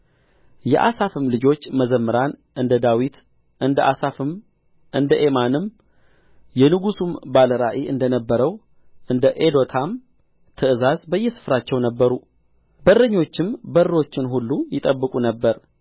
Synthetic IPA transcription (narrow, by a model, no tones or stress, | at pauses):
jɛ̰ʔa̰safɨmlɨd͡ʒo̞t͡ʃːməzəmːɨɾanʔɨnd̪əd̪awit̪ | ʔɨnd̪əʔa̰safɨm | ʔɨnd̪əʔe̞manɨm | jɛnɨɡusumbaləɾaʔeʔɨnd̪ənəbːəɾəw | ʔɨnd̪əʔed̪o̞t̪ʰam | t̪ʰɨʔɨzazbəjːɛsɨ̥fɾat͡ʃːɛwnəbːəɾu | bərəɲːo̞t͡ʃːɪmbəɾo̞t͡ʃːɪnɦulːujɪt̪ʼəbːɨkʼunəbːəɾ